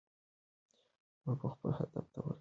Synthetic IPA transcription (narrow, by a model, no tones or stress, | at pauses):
məɾpəxpəlhad̪aft̪awəɾ